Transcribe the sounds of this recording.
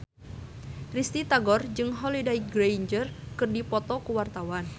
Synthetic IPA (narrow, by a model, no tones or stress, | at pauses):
rist̪it̪aɡɔrd͡ʒɨŋɦɔlidajɡɾend͡ʒərkɨrdipɔt̪ɔkuwart̪awan